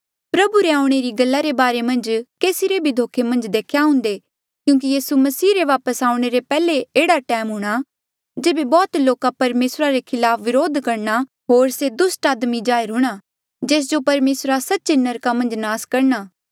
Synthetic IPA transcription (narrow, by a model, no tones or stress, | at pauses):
pɾɐbuɾeaːʊɽ̃eɾiɡɐlːaɾebaːɾemɐ̃nd͡ʒkeːsiɾebʱid̪ʱoːkʰemɐ̃nd͡ʒd̪eːkʰjaɦʊ̃ːnd̪e | kjũːk̬ijiːsumɐsiːɾeʋaːpəsaːʊ̃ɽ̃eɾepɛːleeːɽaʈɛːmɦʊɽ̃a | d͡ʒeːbebɔːt̪loːkapɐɾmeːsɾaɾekʰɪlaːpʰʋɪɾoːd̪ʱkɐɾna | ɦoːɾsed̪ʊsʈaːd̪mid͡ʒaːɪɾɦʊɽ̃a | d͡ʒeːs̬d͡ʒopɐɾmeːsɾasɐtːt͡ʃenɐɾkamɐ̃nd͡ʒnaːskɐɾɳaː